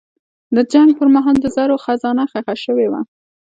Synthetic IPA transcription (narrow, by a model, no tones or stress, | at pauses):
d̪əd͡ʒaŋɡ̚pəɾmɑɦɑld̪əzaɾoxazɑnaxaxaʃəwewa̰